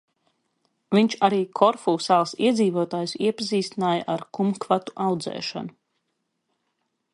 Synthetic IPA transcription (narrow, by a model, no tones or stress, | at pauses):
viɲt͡ʃaɾiːkʰɔɾfuːsaːlˠsḭɛd̪ziːvuɔt̪aːjusiɛpaziːst̪inaːjaʔaɾkumkvat̪u̥ʔawd̪zɛ̰ːʃa̰nu